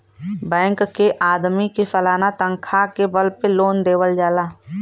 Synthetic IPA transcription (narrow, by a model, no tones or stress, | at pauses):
bɛ̃ːŋkːeʔaːd̪mikefəlaːnat̪ə̃ŋkʰakebəlpeloːnd̪eːwəld͡ʒaːlaː